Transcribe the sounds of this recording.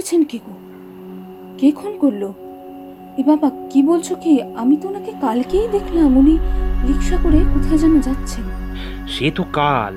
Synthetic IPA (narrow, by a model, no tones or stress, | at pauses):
t͡ɕʰenkeko | kekʰonkoɾlo | ebabakibolt͡ɕʰokiamit̪omakekalkejd̪ekʰlamuniɾikʃakoɾekot̪ʰaed͡ʑanod͡ʑatːɕʰen | ʃet̪okal